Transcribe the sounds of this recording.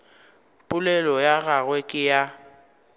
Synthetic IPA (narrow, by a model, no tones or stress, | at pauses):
pʼʊlɛlɔjaɣaɣwɛkʼɪja